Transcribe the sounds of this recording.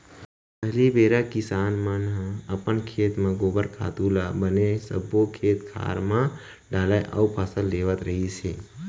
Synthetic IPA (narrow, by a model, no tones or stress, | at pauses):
pəɦlibeːɾakɪsaːnmanãəpənkʰeːt̪mãɡoːbəɾkʰa̰ːt̪uːlabənesəbokʰeːt̪kʰa̰ːɾmã | ɖaːlaʔə̰upʰəsəld̪eːʋət̪ɾəɦiseː